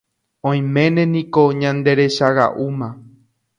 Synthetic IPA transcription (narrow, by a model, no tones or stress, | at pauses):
õĩmẽ̞nẽ̞nĩko̞ɲãnd̪e̞ɾe̞ʃaɣa̰ʔumã